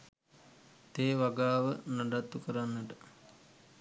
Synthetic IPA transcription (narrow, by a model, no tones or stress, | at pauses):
t̪eːʋaɡaːʋənaɖat̪ːukəɾanːəʈə